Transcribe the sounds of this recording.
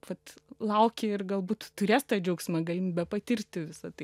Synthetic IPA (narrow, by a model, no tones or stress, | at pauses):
ʋɐt̪lˠɐʊkʲɪɪrɡɐlˠbuːt̪t̪ʊɾʲeːst̪ɑːd͡ʒʲɛʊksʲmɐɡɐlʲɪmbʲɛpɐt̪ʲɪrʲt̪ʲɪʋʲɪsɐt̪ɐɪ